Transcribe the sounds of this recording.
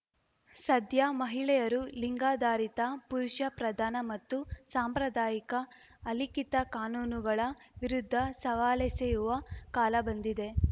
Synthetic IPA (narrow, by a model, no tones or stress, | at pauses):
sɐd̪ʱjamɐɦiɭɛjɐɾuliŋɡaːd̪aːɾit̪ɐpuɾuʃɐpɾɐd̪ʱaːnɐmɐt̪ːusaːmpɾɐd̪aːjikɐː | likit̪ɐkaːnuːnuɡɐɭɐʋiɾud̪ʱːɐsɐʋaːlɛsejuʋɐkaːlɐbɐnd̪id̪e̞